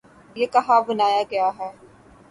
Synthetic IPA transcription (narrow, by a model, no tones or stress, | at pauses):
jeːkɐɦabʊnaːjaɡɐjaɦɛː